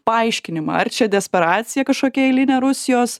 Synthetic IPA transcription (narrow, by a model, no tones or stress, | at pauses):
pɐɐɪʃʲkʲɪnʲɪmɐ̰ɐɾt͡ʃʲɛd̪ʲɛsʲpʲɛɾɑːt̪sʲɪjɛkɐʃkoːkʲɛɛɪlʲɪnʲeːɾʊsʲɪjoːs